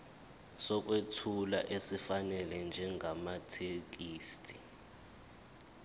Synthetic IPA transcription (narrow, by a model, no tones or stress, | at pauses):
sɔk̬ʼwetʰula̰ʔesifanɛlɛnd͡ʒʱɛŋɡʱamatʰek̬iːstʰʼi